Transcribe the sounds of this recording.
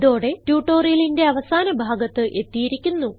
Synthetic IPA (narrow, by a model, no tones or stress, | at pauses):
ðo̞ːɽe̞tjuːʈːo̞ːrijɐlinde̞ɐʋɐsaːnɐbʱaːɡɐt̪ːɨʔe̞t̪ːijiɾikʲːunːu